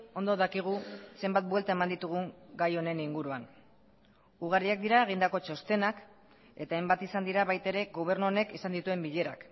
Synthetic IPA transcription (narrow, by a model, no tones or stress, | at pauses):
o̞nd̪oðakiɣ̞use̞mbat̪̚bwelt̪ae̞mand̪it̪uɣ̞uŋɡajo̞ne̞niŋɡuɾuan | uɣ̞aɾiak̚d̪iɾaeɣ̞ind̪ako̞t͡ʃo̞st̪e̞nak | e̞t̪aejmbat̪isand̪iɾaβajt̪eɾe̞ɡo̞β̞e̞ɾnuone̞kisand̪it̪ue̞mbiʎe̞ɾa̰k